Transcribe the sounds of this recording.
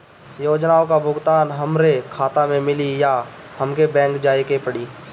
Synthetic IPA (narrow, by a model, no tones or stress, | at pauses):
joːd͡ʒnaːõkabʱʊɡt̪aːnɦɐmɾekʰaːt̪amẽmɪlija | həmkebɛ̃ːŋkd͡ʒaːekepəɽiː